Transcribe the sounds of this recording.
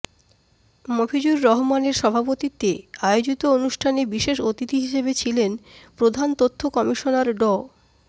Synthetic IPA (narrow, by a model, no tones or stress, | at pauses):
mobʱid͡ʑuɾːɔɦomaneɾʃɔbʱapot̪it̪ːeaeod͡ʑit̪oonuʃʈʰanebiʃeʃot̪it̪iɦiʃebet͡ɕʰilenpɾod̪ʱant̪ot̪ʰːokɔmiʃonaɾɖɔ